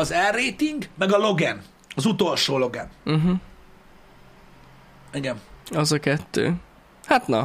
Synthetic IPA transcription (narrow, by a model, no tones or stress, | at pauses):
ɒzɛrːeːt̪iŋɡmɛɡɒlo̞ɡɛn | ɒzut̪o̞lʃoːlo̞ɡɛ̰nm̩ɦ̩ | iɡɛnɒzɒkɛt̪ːø̰ː | hat̪nɒ